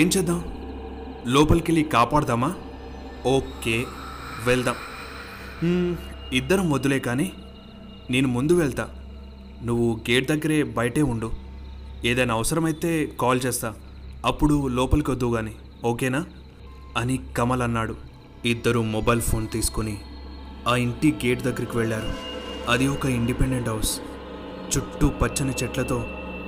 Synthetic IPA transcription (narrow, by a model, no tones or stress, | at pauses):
eːɲt͡ʃɛːd̪ːaːm | lɔːpɐlkelikaːpaːɽɐd̪aːmaː | oːkeːʋeɭd̪aːm | id̪ːɐɾɐmʋod̪ːuleːkaːni | neːnumund̪uʋɛɭt̪a̰ː | nuʋːuɡeːʈ̚d̪ɐɡːɐɾe̞ːbɐjɐʈe̞ːuɳɖu | eːd̪ɐnaːʋɐsɐɾɐmɐjt̪e̞ːkaːlt͡ʃɛːst̪aː | ɐpːuɽulɔːpɐlkiod̪ːuɡaːni | oːkeːnaː | ɐnikɐmɐlɐnːaːɽu | id̪ːɐɾumɔbɐjlpʰo̞ːnt̪iːsu̥kuni | aːiɳʈiɡe̞ːʈd̪ɐɡːɐɾikiʋɛɭːaːɾuɐd̪iɔkɐiɳɖipeɖeɳʈɦɐws | t͡ʃuʈːupɐt͡ʃːɐnɐt͡ʃɛʈlɐt̪o̞ː